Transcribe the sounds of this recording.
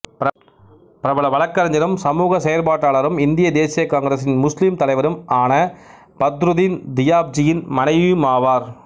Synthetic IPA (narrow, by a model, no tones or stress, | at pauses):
p | pɪɾɐbɐɭɐʋɐɭɐkːɐɾɐɲd͡ʒɐɾɯmsɐmuːɣɐsɛjɐɾpaːʈːaːɭɐɾɯmɪnd̪ɪjɐd̪eːsɪjɐkaːŋɡɾɐs̬ɪnmʊslɪmt̪ɐlɐɪʋɐɾɯmaːnɐ | pɐt̪ɾɯðɪnd̪ɪjaːb̚d͡ʒɪjɪnmɐnɐɪʋmaːʋaːɾ